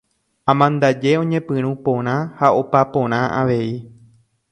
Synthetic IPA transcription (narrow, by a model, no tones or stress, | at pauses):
ãmãnd̪ad͡ʒe̞õ̞ɲẽ̞pɨ̃ɾ̃ũpõ̞ɾ̃ãhao̞papõ̞ɾ̃ãʔaʋe̞i